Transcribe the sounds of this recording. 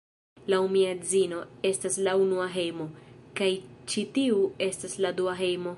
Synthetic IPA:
laumiazino̞e̞staslaunuaɦe̞jmo̞kajt͡ʃitiue̞stasladuaɦe̞jmo̞

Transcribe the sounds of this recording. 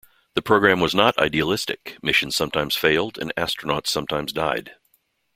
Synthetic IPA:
ðɨpʰɹ̥oʊɡɹæ̃mwʌznəɾa̰ɪdiəlɪstɨ̰kmɪʃɨ̃n̩z̥sʌ̃mtʰãɪ̃mz̥feɪlˠdɨ̰̃næstɹ̥ənɑtsʌ̃mtʰãɪ̃mzdaɪd̥

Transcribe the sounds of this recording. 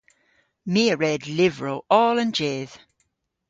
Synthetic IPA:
miəɹɛdlɪvɹoʊɔːlə̃nd͡ʒeːð̥

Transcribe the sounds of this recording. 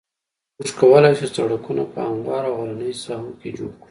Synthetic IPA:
mʊʃkawəlajʃisa̰ɽakuna̰pə̰amwɑɾaɣaɾanəjsɑhoked͡ʒoɽkɽi

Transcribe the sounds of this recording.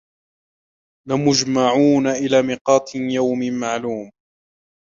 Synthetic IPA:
lɪmʊd͡ʒmaʕuːnaʔɪlaːmɪqɑːt̪ˤjawmɪmaʕluːm

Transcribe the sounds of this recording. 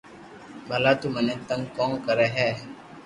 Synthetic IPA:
balaːt̪umənɛ̃t̪ə̃ŋkɔ̃ːŋkəɾɛːɦɛː

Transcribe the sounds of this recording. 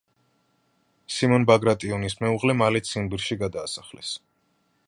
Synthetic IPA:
simɔnbaɡɾat̪ʼiɔnismɛuʁlɛmalɛt̪sʰinbiɾʃiɡad̪aːsaχlɛ̰s

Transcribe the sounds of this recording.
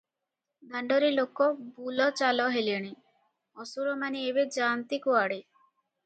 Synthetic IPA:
d̪aɳɖɔɾilokɔbulɔt͡ʃalɔɦeliɔɽ̃i | ɔsuɾɔmaniebed͡ʒaːnt̪ikuaɽe

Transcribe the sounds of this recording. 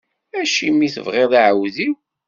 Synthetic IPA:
æʃimːiθə̰vʁeðˤiʕəwðiw

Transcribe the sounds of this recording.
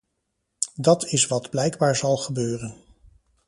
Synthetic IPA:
dɑtɪsʋɑdblɛjɡbaːɹzɑlˠχəbøːrən

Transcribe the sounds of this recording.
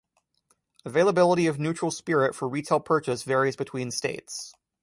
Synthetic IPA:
əveɪlˠəbɪlˠəɾiʌvnʉt͡ʃɹ̥l̩ˠspɪɹɪtfə˞ɹitʰeɪlˠpʰɜ˞t͡ʃɨsvɛɹizbɨtʰw̥ĩnsteɪts

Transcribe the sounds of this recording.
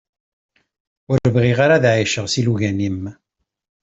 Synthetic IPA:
ʊɾəvʁiʁaɾaðʕiʃəʁsiluʝænim

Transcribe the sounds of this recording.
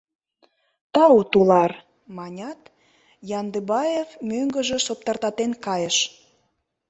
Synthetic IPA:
t̪ɑut̪ulɑr | mɑnʲɑt̪ | jɑnd̪əbɑjefmøŋɡə̆ʒĕsop̚t̪ɑrt̪ɑt̪enkɑjəʃ

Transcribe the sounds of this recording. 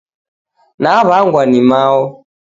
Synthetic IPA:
naβaŋɡwanimaɔ

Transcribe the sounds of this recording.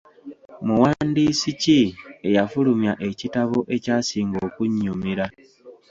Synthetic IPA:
muwandisicie̞jafulumjaʔe̞citaβo̞ʔe̞caːsiːŋɡo̞ːkuɲːumiɾa

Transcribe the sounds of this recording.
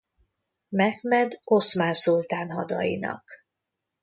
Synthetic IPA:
mɛɡmɛd̪o̞smaːnsult̪aːnɦɒd̪ɒ̰jḭnɒ̰k

